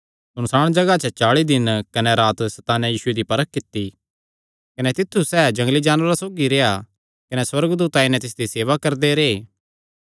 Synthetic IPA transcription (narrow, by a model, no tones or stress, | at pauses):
sʊnsaːɽ̃d͡ʒɐɡat͡ʃɛt͡ʃaːɭid̪ɪnkɐnɛɾaːt̪sɐt̪aːnɛjiːsʊed̪ipɐɾəkːɪt̪ːi | kɐnɛt̪ɪt̪ʰːusɛːd͡ʒɐ̃ŋɡlid͡ʒaːnʋəɾasoːɡiɾeja | kɐnɛswɐɾɡd̪uːt̪ainɛ̃t̪ɪsd̪iseːʋakɐɾd̪eɾeː